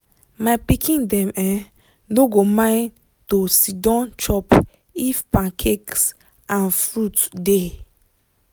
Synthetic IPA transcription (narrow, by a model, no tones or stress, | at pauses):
mapikʰĩndɛ̃mɛ̃ | noɡomãɪ̃n | tosidɔ̃nt͡ʃɔp | ifpãŋkʰeks | ãnfɹutde